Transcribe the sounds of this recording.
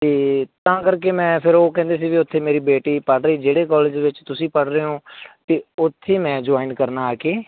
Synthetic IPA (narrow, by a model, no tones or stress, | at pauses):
t̪eːt̪ãːkəɾkeːmɛ̃ːpʰɪɾoːkɛ̃ːnd̪eːsiːʋiːʊt̪ʰːeːmeːɾiːbeːʈiːpəɽɾəiːd͡ʒeːɽeːkɔːleːd͡ʒʋɪt͡ʃt̪ʊsĩːpəɽɾeːɦõːt̪eːʊt̪ʰːeːmɛ̃ːd͡ʒʊaːinkəɾnaːaːkeː